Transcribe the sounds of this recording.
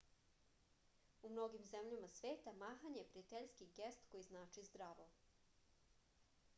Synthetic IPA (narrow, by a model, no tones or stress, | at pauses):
umno̞ɡimze̞mʎamasʋeːt̪amaːxaɲejepɾiat̪eʎskiɡe̞st̪kojiznaːt͡ʃizd̪ɾaʋo̞